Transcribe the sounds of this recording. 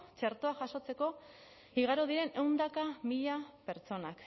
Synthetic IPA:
t͡ʃeɾt̪oaʝaso̞t͡se̞ko̞ | iɣ̞aɾoð̞iɾe̞ne̞wnd̪akamiʎape̞ɾt͡so̞nak

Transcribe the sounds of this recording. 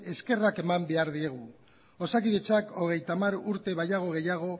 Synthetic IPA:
e̞ske̞rake̞mambe̞aɾðie̞ɣ̞u | o̞sakiðet͡sako̞ɣ̞e̞jt̪amaɾuɾt̪e̞βajaɣ̞o̞ɣ̞e̞jaɣ̞o̞

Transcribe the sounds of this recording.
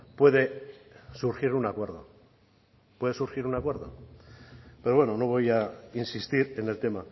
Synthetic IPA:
pwe̞ðe̞suɾxiɾunakwe̞ɾðo̰ | pwe̞ðe̞suɾxiɾunakwe̞ɾðo̞̰ | pe̞ɾowe̞nono̞βo̞jainsist̪iɾe̞ne̞lt̪e̞ma

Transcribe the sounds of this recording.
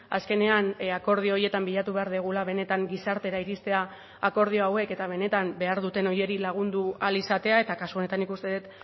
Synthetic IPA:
a̰ske̞ne̞anako̞ɾð̞ioje̞t̪ambiʎat̪uβe̞aɾðeɣ̞ulaβ̞e̞ne̞t̪aŋɡisaɾt̪e̞ɾaiɾist̪e̞aː | ko̞ɾð̞io̞awe̞ke̞t̪aβ̞e̞ne̞t̪ambe̞aɾðut̪e̞no̞je̞ɾilaɣ̞und̪ualisat̪e̞ae̞t̪akasuo̞ne̞t̪anːikust̪e̞ðet̪

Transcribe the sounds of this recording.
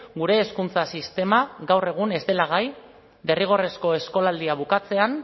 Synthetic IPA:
ɡuɾe̞ːskunt͡sasist̪e̞maɣawre̞ɣ̞une̞zd̪e̞laɣ̞aj | de̞riɣ̞o̞re̞sko̞e̞sko̞lald̪iaβ̞ukat͡se̞an

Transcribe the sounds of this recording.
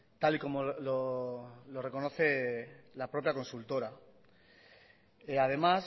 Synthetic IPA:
t̪aliko̞mololo̞re̞ko̞no̞θe̞lapɾo̞pjako̞nsult̪o̞ɾa | eað̞e̞mas

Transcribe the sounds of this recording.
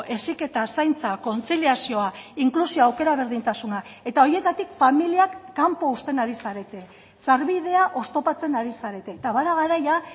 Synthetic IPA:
ʔe̞sike̞t̪asajnt͡sako̞nt͡siliasio̞aiŋklusioawke̞ɾaβ̞e̞ɾðint̪asunae̞t̪ao̞ɾie̞t̪at̪ikfamiliakːampo̞ust̪e̞naɾisaɾe̞t̪e̞ | saɾβiðe̞aʔo̞st̪o̞pat͡se̞naɾisaɾe̞t̪e̞ːt̪aβaðaɣaɾaja

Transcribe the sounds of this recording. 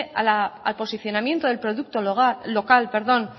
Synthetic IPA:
a̰laa̰lpo̞siθjo̞namjent̪oð̞e̞lpɾoðuk̚t̪oːo̞kalpe̞ɾðo̞n

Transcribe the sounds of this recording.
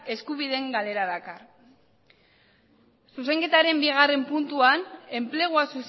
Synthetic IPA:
e̞skuβiðe̞ŋɡale̞ɾaðakar | suse̞ŋke̞t̪aɾe̞mbiɣ̞are̞mpunt̪uane̞mple̞ɣ̞uasus

